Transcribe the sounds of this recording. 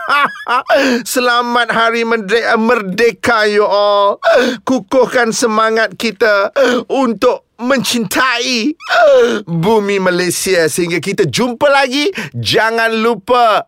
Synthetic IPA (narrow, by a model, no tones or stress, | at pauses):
a | səlamat̪̚ɦaɾimədeʔmərdekajuʔɔlkukʊhkansəmaŋat̪̚kit̪aunt̪ʊk̚mə̃ɲt͡ʃint̪ʰai | bumimalasiasəɦiŋɡakit̪ad͡ʒumpəlaɡid͡ʒaŋãnlupa